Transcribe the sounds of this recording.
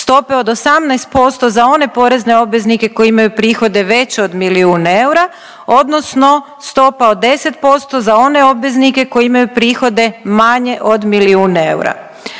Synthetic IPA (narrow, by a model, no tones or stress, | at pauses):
st̪o̞peo̞d̪o̞samnajst̪̚po̞st̪o̞zao̞ne̞po̞ɾe̞zne̞o̞bʋe̞znike̞ko̞jimajupɾiːxo̞d̪e̞ʋe̞t͡ɕeo̞d̪miliuːnae̞wɾa | o̞d̪no̞sno̞ | st̪o̞pao̞d̪ːe̞se̞t̪̚po̞st̪o̞zao̞ne̞o̞bʋe̞znike̞ko̞jiimajupɾiːxo̞d̪e̞maɲe̞ʔo̞d̪miliuːnḛwɾa̰